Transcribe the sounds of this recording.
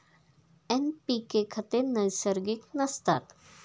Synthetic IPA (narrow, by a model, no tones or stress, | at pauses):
ɛnpikekʰət̪enəjsəɾɡiknəst̪a̰t̪